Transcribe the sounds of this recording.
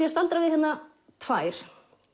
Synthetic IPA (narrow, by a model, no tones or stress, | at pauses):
jɛst̪alt̪ɾavɪðhɛnːa | t̪ʰvaːjɾ̥